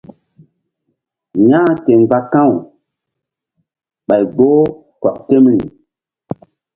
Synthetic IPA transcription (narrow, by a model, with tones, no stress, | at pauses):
ɲãː˦te˨ŋɡ͡ba˦kã˦˨w | ɓa˨jɡ͡bo˦ | kɔ˨k̚te˦mlḭ˨